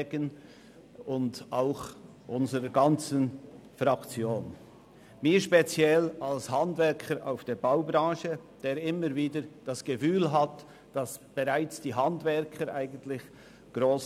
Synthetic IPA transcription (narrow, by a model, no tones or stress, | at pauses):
ɡən | ʊndaʊx | ʔʊnzəɾəɡɑnt͡sənfɾakt͡sjoːn | miːɾʃpet͡sjɛlalshandvɛɾkʰəɾʔa̰ʊfd̥eːbaʊbɾɑ̃ːʃəd̥eːɾɪməɾviːdəɾd̥asɡ̥əfyːlɦat | d̥asb̥eʁaɪt͡sd̥iːɦandvɛɾkʰəɾʔaɪɡən̩tlɪç | ɡ̥ʁoːs